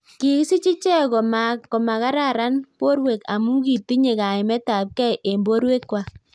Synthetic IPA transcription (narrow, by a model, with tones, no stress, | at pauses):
ki˨ksi˦t͡ʃi˦t͡ʃɛ˦kɔ˨ma˨kɔ˨ma˨ka˦ɾa˦˨ɾa˦npo˦ɾwe˨ka˨mu˦ki˨ti˦ɲe˨ka˨ɪ˨mɛ˦ta˨p̚kɛ˦jʔe˨mbo˦ɾwe˦kːwa˨